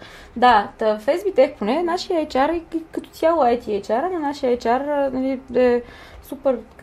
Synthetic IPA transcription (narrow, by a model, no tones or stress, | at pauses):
d̪at̪əfɛzbit̪ɛkponɛnaʃijəajt͡ʃaɾiikɐt̪ɔ̥t̪ʲjalˠɛjt̪iajt͡ʃaɾənɐnaʃijəɐjt͡ʃaɾnɐliɛ | supɛɾ